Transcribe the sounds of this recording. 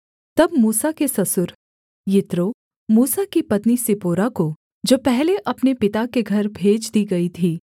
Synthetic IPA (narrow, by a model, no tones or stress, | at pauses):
t̪ɐbmuːsakesɐsʊɾ | jɪt̪ɾo | muːsakipɐt̪nisɪpoːɾako | d͡ʒoːpɛɦleʔɐpnepɪt̪akeɡʱɐɾbʱeːd͡ʒd̪iɡɐit̪ʰiː